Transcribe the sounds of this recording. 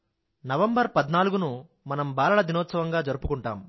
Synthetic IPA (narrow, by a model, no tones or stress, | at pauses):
nɐʋɐmbɐɾpɐd̪naːluɡunu | mɐnɐmbaːlɐɭɐd̪inɔːt̪sɐʋɐŋɡaːd͡ʒɐɾupukuɳʈa̰ːm